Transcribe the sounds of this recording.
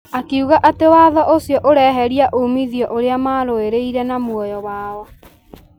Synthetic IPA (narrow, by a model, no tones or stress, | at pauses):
akeuɣaʔatewaðɔʔosijɔʔoɾɛɦɛɾiaʔomiðijɔʔoɾeamaːɾoeɾeiɾɛnamwɔjɔwaːɔ